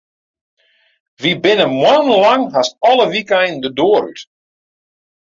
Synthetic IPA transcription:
ʋibɪnəmwanlaŋɦasɔləʋikɛjndədoːɾy̰t

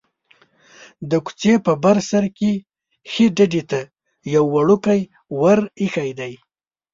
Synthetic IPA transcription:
d̪əku̥t͡sepəbaɾsaɾke | xeɖaɖet̪a | jawːaɽukaj | waɾixajd̪aj

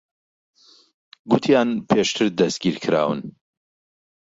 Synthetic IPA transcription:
ɡut̪ʰjaːnpʰeʃt̪ʰɨɾd̪ɐsɡiːɾkʰɨɾa̰ːwɨ̰n

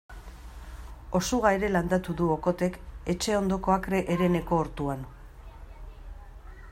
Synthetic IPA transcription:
o̞suɣaeɾe̞land̪at̪uðuoko̞t̪e̞ke̞t͡ʃe̞o̞nd̪o̞ko̞akɾe̞ʔeɾe̞ne̞ko̞ːɾt̪uan

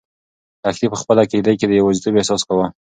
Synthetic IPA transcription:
axlipəxpəlaked̪ajked̪əjawazt̪əbesɑskawa

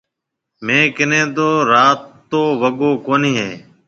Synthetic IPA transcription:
mẽːkɪnẽːt̪oːɾaːt̪ːoːʋəɠoːkoːnĩːɦeː

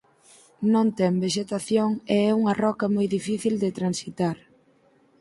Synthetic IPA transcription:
nõnt̪ɛmbeʃet̪aθjoŋɛɛuŋɐrɔkɐmojðifiθild̪et̪ɾansit̪aɾ

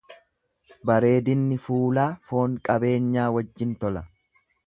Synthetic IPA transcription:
bɐɾe̞ːd̪ɪnːɪfuːlaːfo̞ːŋkʼɐbe̞ːɲːaːwɐd͡ʒːɪnt̪ɔlɐ

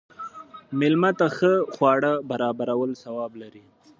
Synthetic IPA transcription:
mɪlmat̪axəxwɑɽabaɾɑbaɾawəlsawɑblaɾi

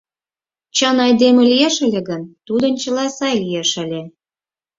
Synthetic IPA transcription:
t͡ɕɑnɑjd̪emĕlijeʃəlʲĕɣənt̪ud̪ənt͡ɕəlɑsɑjlʲijeʃə̆lʲe

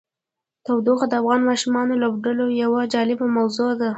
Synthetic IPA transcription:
t̪awd̪oɣad̪əafɣɑnmɑʃimɑnolobɖəlojawad͡ʒɑlɪbamawzod̪a

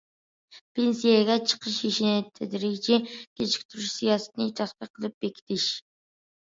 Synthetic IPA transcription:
pʰensijaɡʲɛt͡ʃʰə̥qʰəʃiʃinɪt̪ʰɛd̪ɾit͡ʃikʲʰet͡ʃʰi̥k̚ʲt̪ʰʊɾuʃsijɑsnɪt̪ʰɑχt̪əqʰəlˠɨp̚bekʲʰi̥t̪ʰiʃ

